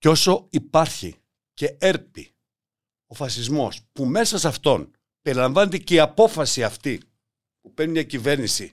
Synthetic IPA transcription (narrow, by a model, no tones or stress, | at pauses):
co̞so̞ipɐɾçḭ | ce̞eɾpḭ | o̞fɐsizmo̞̰spume̞sɐsɐft̪o̞n | pe̞ɾilɐɱvɐne̞t̪eceiɐpo̞fɐsiɐft̪i | pupeɾnimɲɐcive̞ɾnisi